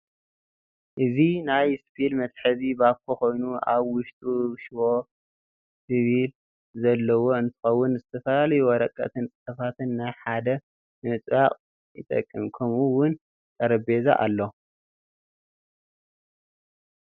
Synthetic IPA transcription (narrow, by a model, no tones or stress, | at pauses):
ʔɨzinajspʰilmɐt̪ʼħɨzibaβkʰoko̞jnuʔa̰βwʊʃt̪ʼuʃwo | siβil | zɐlːɐwo̞ɨnt̪ʰɨ̥xɐwːʊnzɨt̪ʰɐfɐlalɐjuɔɾɐkʼːɐ̰t̪ʰɨnt͡sʼɨħɐfat̪ɨnːajħad̪ɐ | mɨt͡sʼβaqʼ | jɨ̰t̪ʼɐ̰kʼːɨmkʰɐmuwʊn | t̪ʼʰɐɾɐbeza̰ʔa̰lːo